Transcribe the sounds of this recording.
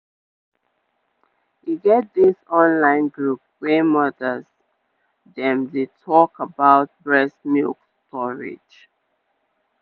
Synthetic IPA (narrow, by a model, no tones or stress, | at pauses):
hiɡɛt̚disɔ̃nlãɪ̃nɡɹup̚wɛmʌdəz | dɛ̃mdetʰɔkəbaʊt̚bɹɛsmikstʰɔɹɪ̰d͡ʒ